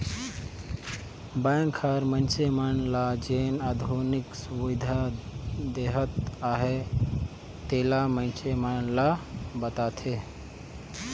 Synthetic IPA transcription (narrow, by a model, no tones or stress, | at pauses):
baːŋkʰːaɾmənsemanlad͡ʒeːnad̪ʱuːniksuʋɪd̪ʱa | d̪eːɦət̪aːɦe | t̪eːlamənsemanlabət̪aːt̪ʰeː